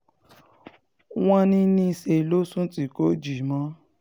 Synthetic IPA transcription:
w̃ɔ̃˦nĩ˦nĩ˦i˧se˧˨lo˦sũ˦ti˦ko˦d͡ʒi˨mɔ̃˦

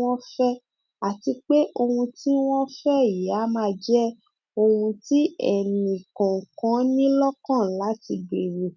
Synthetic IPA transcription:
ɔ̃˦fɛ˦ | a˨ti˧k͡pe˦ʔo˧hũ˧ti˦w̃ɔ̃˦fɛ˦˨a˨˦mãː˦˧d͡ʒɛ˦ | o˧hũ˧ti˦ɛ̰˨nĩ˨kɔ̃˨kã˨˦nĩ˦lɔ˦kã˦˨la˨˦ti˧be˨ɾe˨

